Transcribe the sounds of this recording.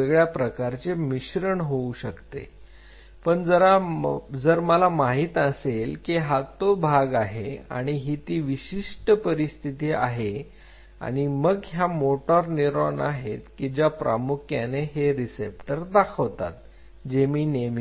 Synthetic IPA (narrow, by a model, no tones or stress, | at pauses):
eɡɭjapɾəkaɾt͡semiɕɾəɳɦouɕəkt̪ḛ | pəɳd͡zəɾad͡zəɾməlamaɦiːt̪əselkiɦat̪obʱaɡaɦea̰ɽ̃iɦit̪iːʋiɕiʂʈəpəɾist̪ʰit̪iːa̰ɦe | a̰ɽ̃iməɡɦjamoʈɔɾniɾoɳaɦet̪kid͡ʑjapɾʔa̰mukʰjaneɦeɾisepʈəɾd̪akʰəʋt̪a̰t̪̚ | d͡ʑemiːnemi